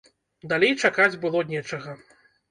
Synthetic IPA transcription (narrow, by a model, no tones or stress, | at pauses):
d̪alʲejt͡ʂakad͡zʲbɨlˠɔnʲɛt͡ʂɐɣɐ